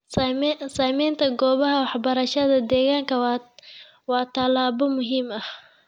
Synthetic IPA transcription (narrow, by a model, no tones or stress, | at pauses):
saːmɛjnt̪ʰɐɡɔːβɐɦɐwɑħbɐɾɐʃɐðɐd̪ɛːɣaːŋkʰɐ | wɑːt̪ʰɐlaːβɔmʊɦiːmɐh